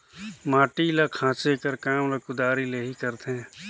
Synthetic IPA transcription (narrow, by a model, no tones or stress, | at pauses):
maːʈilakʰãːt͡ʃekəɾkaːmlɐkud̪aːɾileːɦikəɾt̪eɦɛ̃ː